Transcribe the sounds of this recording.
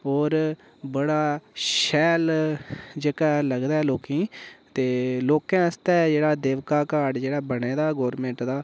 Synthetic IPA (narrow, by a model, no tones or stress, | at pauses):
ɦɔːɾ | bəɽaːʃɛːl | d͡ʒekaːləɡd̪aːɛːloːkĩːt̪eːloːkãːəst̪ɛːd͡ʒeːɽaːd̪eːʋkaːkaːɖd͡ʒeːɽaːbəɽeːd̪aːɡɔːɾmẽːɳʈd̪aː